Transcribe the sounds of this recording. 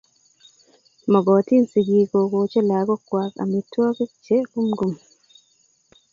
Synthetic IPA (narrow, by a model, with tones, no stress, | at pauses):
ma˨ɡɔ˨ti˦nsi˨ɡi˨ko˨ɡot͡ʃɛ˦la˨ɡɔ˦kwaka̰mitːwa˦ke˦t͡ʃɛku˦mɡum